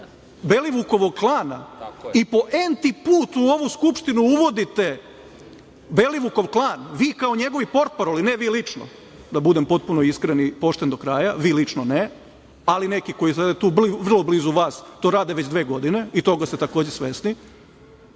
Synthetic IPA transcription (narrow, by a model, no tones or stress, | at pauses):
be̞liʋuko̞ʋo̞ɡklˠaːna̰ipo̞ʔent̪ipuːt̪uoʋuskupʃt̪inuuʋo̞d̪it̪e̞ | be̞liʋuko̞ʋklˠaːnʋiːkaoɲe̞ɡo̞ʋipo̞ɾt̪̚paɾolineʋiːlit͡ʂno̰ | d̪abud̪empo̞t̪̚punoiskɾenipo̞ʃt̪end̪o̞kɾaːjaʋiːlit͡ʂnone | alinekiko̞jisad̪et̪uːʋr̩lˠo̞bliːzuʋaːst̪o̞ːɾaːd̪eʋet͡ɕd̪ʋe̞ːɡo̞d̪ine̞it̪o̞ɡast̪et̪ako̞ːd͡ʑesʋe̞sni